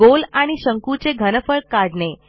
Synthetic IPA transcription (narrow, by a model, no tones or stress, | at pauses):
olaɽ̃iɕəŋkut͡seɡʱənəfəɭkaɽne